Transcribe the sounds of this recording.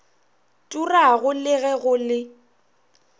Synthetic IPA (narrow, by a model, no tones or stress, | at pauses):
tʼuraɣʊlɪɣɛɣʊlɪ